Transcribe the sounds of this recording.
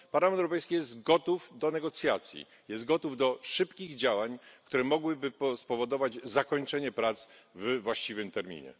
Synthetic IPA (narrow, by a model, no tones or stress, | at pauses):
paɾlamɛnt̪ɛwɾɔpɛjskʲijɛst̪ɡɔt̪ufd̪ɔnɛɡɔt̪sʲjat̪sʲjḭ | jɛst̪̚ɡɔt̪uvd̪ɔʂɘpkʲiɣd͡ʑawaɲkt̪uɾɛmɔɡwɘbɘpɔspɔvɔd̪ɔvad͡ʑzakɔɲt͡ʂɛɲɛpɾat̪svvwaɕt͡ɕivɘmt̪ɛɾmʲḭɲɛ̰